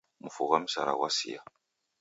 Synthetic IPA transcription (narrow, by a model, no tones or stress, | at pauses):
mufoɣamisa̰ɾa̰wasija